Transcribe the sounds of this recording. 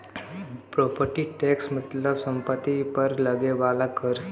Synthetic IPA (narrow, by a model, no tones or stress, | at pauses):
pɾopəɾʈiʈeksmət̪ləbsəmpət̪ːipəɾləɡeʋalakʰəɾ